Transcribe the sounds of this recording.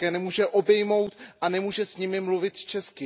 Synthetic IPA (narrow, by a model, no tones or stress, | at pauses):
kɛːnɛmuːʒɛʔo̞bɛjmo̞wt̪ʔanɛmuːʒɛsɲɪmɪmluvɪt̪t͡ʃɛskɪ